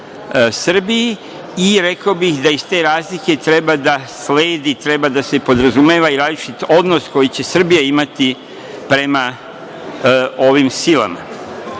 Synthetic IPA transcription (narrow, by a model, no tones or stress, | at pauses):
sr̩biji | iɾe̞kaobixd̪aist̪e̞ɾaːzlike̞t̪ɾe̞bad̪asle̞ːd̪it̪ɾe̞bad̪ase̞po̞d̪ɾazumeːʋaiɾaːzlit͡ʃit̪o̞d̪nosko̞jit͡ɕe̞sr̩bijaimat̪i | pɾe̞ma | o̞ʋimsila̰ma̰